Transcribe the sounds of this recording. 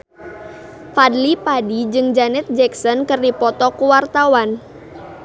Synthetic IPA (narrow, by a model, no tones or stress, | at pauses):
fadlipadid͡ʒɨŋd͡ʒanɛt̪̚d͡ʒɛksɔnkɨrdipɔt̪ɔkuwart̪awan